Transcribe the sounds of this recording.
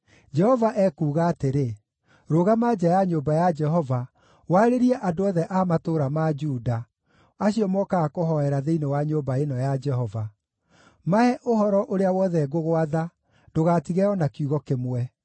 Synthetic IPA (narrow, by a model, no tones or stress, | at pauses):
d͡ʒɛhɔvaʔɛːkuːɣaːteɾe | ɾoːɣamaːd͡ʑajaɲoːbajad͡ʒɛɦɔva | waɾeɾiɛʔadoɔðɛʔaːmatoɾamad͡ʒuːda | aɕiɔmɔkaakoɦɔɛɾaðeinewaɲoːbaenɔjad͡ʒɛɦɔva | maɛʔohɔɾɔʔoɾeawɔðɛɡoɣoaða | doɣaːtiɣɛɔnakiuɣɔkemwɛ